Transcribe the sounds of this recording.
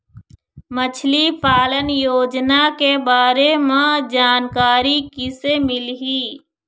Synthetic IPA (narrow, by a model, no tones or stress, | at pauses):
mət͡ʃʰlipaːlənjoːd͡ʒnakebaːɾemãd͡ʒaːnkaːɾikɪsemɪlɦiː